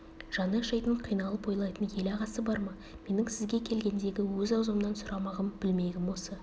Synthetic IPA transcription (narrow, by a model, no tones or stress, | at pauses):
ʒ̥ɑnəʃɑjt̪əɴqʰijnɑlˠəpo̞jlˠɑjt̪ənje̞lɑʁɑsəbɑɾmɑ | me̞nɪŋsɪzɡʲe̞kʲʰe̞lɡʲe̞nd̪e̞ɡʲɪwɵzɑwzɑmnɑnsʊɾʔɑmɑʁəmb̥ɪlme̞ɡʲɪmwosə